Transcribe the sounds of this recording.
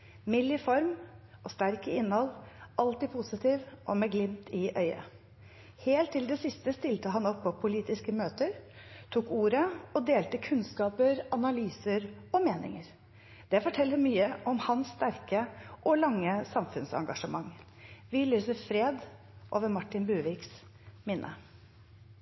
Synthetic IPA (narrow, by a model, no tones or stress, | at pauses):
mɪlːɪfɔɾmʔɔst̪æɾkəɪnhɔlʔɑlt̪ɪpʰʊsɪt̪ʰiːʋʔɔ̰mɛɡlɪmt̪ɪʔœʏɑ̰ | heːlt̪ʰːɪld̪ɛsɪst̪əst̪ɪlt̪əɦɑnɔpʰːɔpʰʊliːt̪ɪskəmøːt̪əɾt̪ʰuːkuːɾəɔd̪eːlt̪əkʰʉnskɑːpəɾɑnɑlyːsəɾɔmeːnɪ̰ŋəɾ | d̪̥ɛfɔʈʰɛlːəɾmyːəʔɔmhɑnsːt̪æɾkəʔɔlɑŋːəsɑmfʉnsɑ̰ŋɡɑʂəmɑŋː | ʋɪlyːsəɾfɾeːd̪ | ʔo̰ːʋəɾmɑʈːɪnbʉːʋɪks | mɪnʔə̰